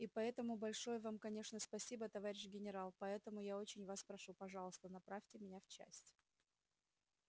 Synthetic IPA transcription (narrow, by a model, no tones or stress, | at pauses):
ipɐɛt̪əmʊbɐlʲʂo̞jəvamkɐnʲe̞ʂnəspɐsʲibət̪ɐvaɾʲɪɕɡʲɪnʲɪɾalˠpɐɛt̪əmʊjao̞t͡ɕɪnʲvaspɾɐʂupɐʐɑlˠəst̪ənɐpɾafʲtʲɪmʲɪnʲaft͡ɕæ̰sʲtʲ